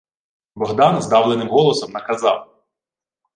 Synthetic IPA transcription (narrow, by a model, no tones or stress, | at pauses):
bɔɦd̪ɑnzd̪ɑwlˠenɪmɦɔlˠɔsɔmnɐkɐzɑw